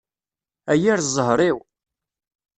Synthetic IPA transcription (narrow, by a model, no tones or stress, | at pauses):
æjiɾzˤəɦɾˤiw